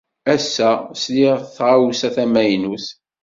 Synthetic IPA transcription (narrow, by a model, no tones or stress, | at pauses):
æsːæsliʁθʁawsæθæmæjnuθ